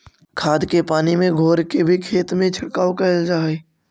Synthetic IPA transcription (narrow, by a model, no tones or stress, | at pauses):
kʰaːd̪kepaːnimẽɡʱoːɾkebʱikʰeːt̪mẽt͡ʃʰɐɽkaːwkɛld͡ʒaːeː